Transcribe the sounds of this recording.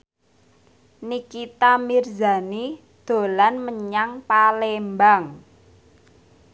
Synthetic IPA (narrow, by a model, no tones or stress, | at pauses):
nikit̪amirza̤ni | d̪̥o̤lanməɲaŋpalembaŋ